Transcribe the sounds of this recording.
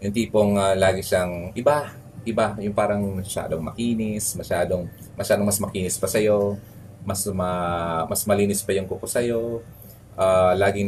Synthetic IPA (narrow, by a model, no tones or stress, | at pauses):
jʊŋt̪iːpoŋalaːɡɪʃaŋʔɪba | ʔɪbajʊŋpaːɾɐŋmɐʃa̰ːd̪oŋmɐ̰kiːnɪsmɐʃaːd̪o̞ŋ | mɐʃaːd̪oŋmɐsmɐkiːnɪspɐsɐjo̞ | mɐsmɐmɐsmɐliːnɪspɐjʊŋkʊkosɐjo̞ | ʔaːlaːɡɪŋ